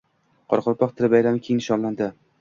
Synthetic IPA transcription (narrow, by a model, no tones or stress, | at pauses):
qʰɒɾqʰʊɾpʰɒqt̪ʰɪɾɪbajɾamkʲʰenɪʃɒnland̪ɪ